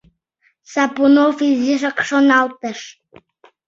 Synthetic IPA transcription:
sapunofiziʃəkʃonɑlˠt̪əʃ

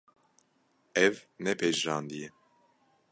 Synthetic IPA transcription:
ɛvnɛpʰɛaːnd̪iɛ

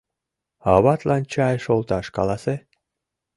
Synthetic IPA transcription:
ɑβɑt̪lɑnt͡ɕɑjʃolˠt̪ɑʃkɑ̰lˠɑse

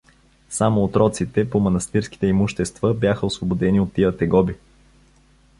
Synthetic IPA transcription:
samoːt̪ɾɔt̪sit̪ɛpomɐnɐst̪iɾski̥t̪ɛimuʃt̪ɛst̪vəbjaxəosvobod̪ɛniot̪ːiət̪ɛɡɔbi

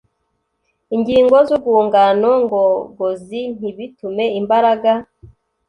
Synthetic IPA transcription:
iŋɟiːŋɡo̞zuɡuːŋɡano̞ŋɡoɡozin̥iβitume̞imbaɾaɡa

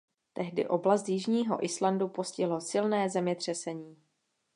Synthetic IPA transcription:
t̪ɛɦdɪ̰ʔo̞blast̪jɪʒɲiːɦo̞̰ʔɪslandupo̞scɪɦlo̞sɪlnɛːzɛmɲɛt̪r̝̥ɛsɛɲiː

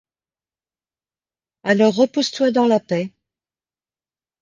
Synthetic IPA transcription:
alɔʁːəpust̪wad̪ɑ̃lapɛ

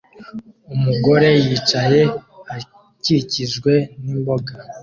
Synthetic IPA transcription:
umuɡo̞ɾe̞jiːt͡ʃaje̞a | ciɾiciʒɡwe̞nimbo̞ɡa

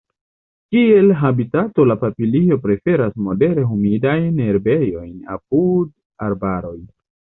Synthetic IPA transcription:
kie̞lɦabitato̞lapapilio̞pɾe̞fe̞ɾasmo̞de̞ɾe̞ɦumidajne̞ɾbe̞jo̞jna̰p̚ud | aɾbaɾo̞j

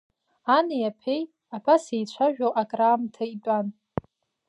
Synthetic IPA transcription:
anajapʰe̞j | abasejt͡ɕʷʰaʒᶣowʔakʼraːmtʰait͡pʼan

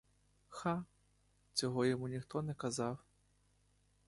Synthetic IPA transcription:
xa | t͡sʲɔɦɔjɔmunʲixt̪ɔnɛkɐzɑw

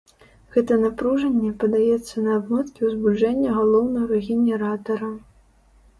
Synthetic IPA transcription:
ɣɛt̪ɐnapɾuʐɐnʲːɛpɐd̪ajɛt̪sːɐnɐːbmɛt̪kʲiwzbud͡ʐɛnʲːɐɣalˠɔwnɐɣɐɾɛɣʲɛnʲɛɾat̪ɐɾɐ

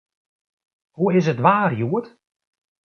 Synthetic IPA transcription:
huɪs̬ətʋaːrjuət

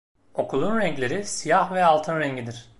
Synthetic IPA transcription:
o̞kʰulˠunɾɛɲclʲe̞ɾisijahvɛalˠt̪ʰɯnɾɛɲɟid̪iɾ̥

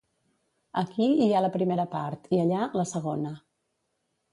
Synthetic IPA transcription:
əkiialəpɾimeɾəpaɾt̪iəʎaləsəɣonə

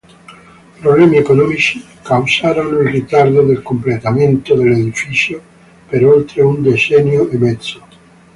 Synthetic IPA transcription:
pɾoβlɛmiekonɔmit͡ʃi | kawsaɾonilrit̪aɾd̪od̪elkomplet̪ament̪oðeleðifisjo | peɾolt̪ɾeund̪esɛnjoemɛd̪zo

